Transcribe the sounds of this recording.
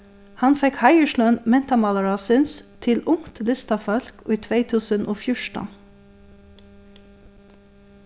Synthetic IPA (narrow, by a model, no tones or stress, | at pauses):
hɑnfɛkhɑɪəʃlʊənmɛnt̪ɑmɑlɑɹɑːsɪnst̪ʰɪlʊŋt̪lɪst̪ɑfɔlkiːt̪ʰʋeɪt̪ʰʉːsənʔoːfjʊʃʈn